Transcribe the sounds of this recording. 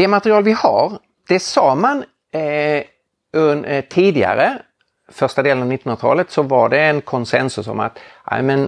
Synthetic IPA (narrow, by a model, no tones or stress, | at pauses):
d̪ɛmat̪ɾɪɑːlvɪha̰ɾ | d̪̥ɛsɑːman | ɵnt̪ʰiːd̪ɪɡa̰ɾə | fœɾʂtad̪eːlənvnɪt̪ːnnɾat̪ʰɑ̰ːlət̪sɔvaɖɛːnkʰɔnsɛnsɵsɔ̰ma̰t̪ʔa̰ɪmɛn